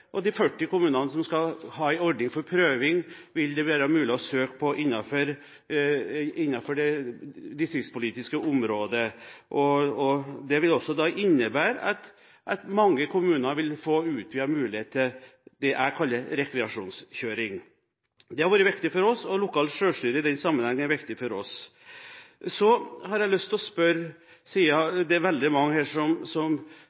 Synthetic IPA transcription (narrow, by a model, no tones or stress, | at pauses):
ʔɔd̪ifœʈːɪkʊmʉːnɑnəsɔmskɑhɑːæɪɔɾɖnɪŋfɔɾpʰɾøːʋɪŋʋɪld̪ɛʋæːɾəɑmʉːlɪɔsøːkpʰɔʔɪnːɑfɔɾ | ɪnːɑfɔɖɛd̪ɪsɪspʊliːt̪ɪskəʔʊmɾoːd̪əʔɔɔd̪ɛʋɪlɔsːɔd̪ɑːʔɪnːəbæːɾɑ̰t̪ | ʔɑt̪mɑŋːəkʰʊmʉːnɑʋɪlfoːʉːt̪ʋɪhɑɾmʉːlɪheːt̪əd̪̥ɛʔæɪkʰɑlːəɾɛkɾɛɑʂuːnsçøːɾɪŋ | d̪ɛhɑɾʋɑːɾəʋɪkt̪ɪfɔɾɔsɔlʊkʰɑːlʂøːʂʈyːɾəɪd̪ɛnsɑmːənhɛŋːənæɾʋɪkt̪ɪfɔɾɔs | sɔhɑɾjæɪlʉst̪ɔspœɾ | siːɑd̪ɛɾʋɛld̪ɪmɑŋːəhæːʂɔmsɔm